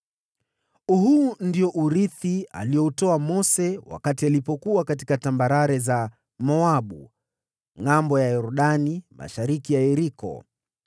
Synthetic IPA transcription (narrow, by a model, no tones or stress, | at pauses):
uhundiɔʔuɾiθia̰lijɔutɔamɔsɛwa̰katialipɔkuakati̥katambaɾaɾɛza | mɔaɓṵ | ŋambɔjajɔɾuɗanima̰ʃaɾikijaɛɾikɔ̰